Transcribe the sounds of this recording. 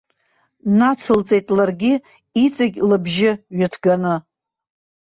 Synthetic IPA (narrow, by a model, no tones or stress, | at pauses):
nat͡sʰɨlt͡sʼe̞jtʼlarɡʲɪ | it͡sʼaɡʲlɨbʒɪɥatʰɡanɨ